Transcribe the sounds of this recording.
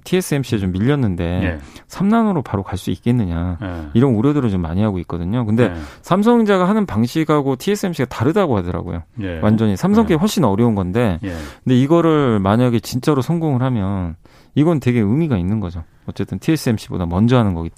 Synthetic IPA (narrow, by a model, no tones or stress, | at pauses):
tʰies͈ʰɯemɕʰiet͡ɕomːiʎːʌnːɯnde̞sʰamnanoɾopaɾokaɭs͈uik̚k͈e̞nːɯɲaiɾʌnuɾjʌdɯɾɯɭt͡ɕomːa̰ɲiɦaɡoik̚k͈ʌdɯɲokɯnde̞sʰamsʰʌŋd͡ʑaɡaɦanɯnpaŋɕʰiɡɦaɡotʰie̞s͈ʰɯe̞mɕ͈ʰiɡataɾɯdaɡohadʌɾa̰ɡo̰jo̰wʔand͡ʑʌɲisʰamsʰʌŋk͈ʰehwoɭɕ͈inʌɾjʌunɡʌnde̞kɯnde̞iɡʌɾɯɭmaɲaɡe̞t͡ɕint͡ɕ͈aɾosʰʌŋɡoŋɯɭhamjʌn | iɡʌnɯntwe̞ɡe̞ɯmiɡainːɯnɡʌd͡ʑo | ʌt͡ɕ͈e̞t͈ɯntʰies͈ʰɯe̞mɕ͈ʰibo̰damʌnd͡ʑʌɦanɯnɡʌɡit